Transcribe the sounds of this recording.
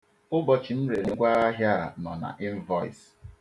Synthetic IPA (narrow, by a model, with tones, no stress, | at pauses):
ʊ˦bɔ˦t͡ʃɪ˨n̩˦ɾe˨ɾe˨ɡʷa˦ɾa˦ɦja˦˨nɔ˨na̰˨ʔɪ˦m̩˦vɔ˦ḭ˨s